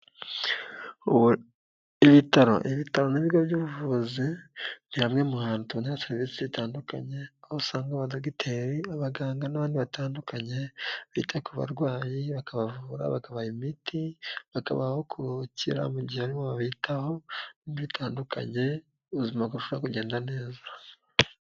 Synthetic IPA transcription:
iβitaɾo̞̰ʔiβitaɾo̞niβiɾɡobɟuːβuvuzin̥ihamŋemuhaːnutuniβaseɾvisiβitaːnduka̰ɲe̞ahosaːŋɡaβadoɡitʰeɾiaβaɡaːŋɡanaβaːndiβataːndukʰaɲe̞βitʰakuβa̰ɾɡwaːjiβakaβavuɾa̰βakaβajimitiβaka̰βaho̞kʰucḭɾa̰muɟihaaɾimoβaβitaho̞niiβitʰaːndukʰa̰ɲe̞ | uuzimakuuʃooɾakuɟe̞ːndane̞ːza

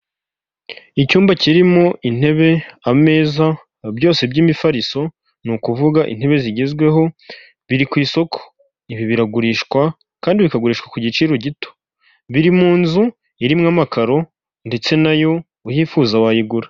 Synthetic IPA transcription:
icuːmbaciɾimo̞ʔin̥he̞βe̞ame̞ːza | bjo̞ːse̞bɟiːmifaɾiso̞ | nukuvuɡaʔḭn̥he̞βe̞ziɟezɡwe̞ɦo̞ | βiɾikwiːso̞kʰo̥ | iβiβiɾaɡuɾiʃkwa | kaːndiβikaɡuɾiːʃkwḁkuɟit͡ʃiːɾo̞ɟito̥ | βiɾimuːnzu | iɾimŋaːmakaɾo̞ | nde̞t͡se̞najo̞ | ujiːfuzawajiɡuɾa

